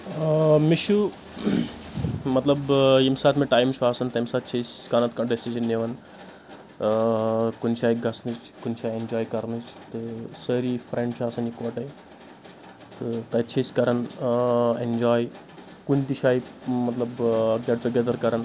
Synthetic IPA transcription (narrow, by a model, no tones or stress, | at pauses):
miʃu | mɐt̪lɐbjimsaːt̪meʈaːjmt͡ʃʰuaːsɐnt̪ɐmʲsaːt̪̚t͡ʃʰeskanɐt̪kɐɳɖesid͡ʒɐnːeʋɐn | kunt͡ʃʰaːjɡɐsnɨt͡ʃ | kunt͡ʃʰaːjend͡ʒɔːjkɐɾnɨt͡ʃt̪ɨsəɾifɾẽɳɖt͡ʃʰuaːsɐnikɔʈɐj | t̪ɨt̪ɐjt͡ʃʰeskɐɾɐn | end͡ʒɔːj | kunt̪it͡ʃʰaːjimɐt̪lɐbɡeɖ̚ʈ̪uɡʲed̪ɐɾkɐɾɐn